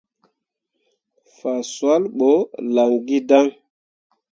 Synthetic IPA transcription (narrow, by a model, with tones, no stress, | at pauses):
fa˨swa˦lɓo˨˦la˨ŋɡi˦da˦ŋ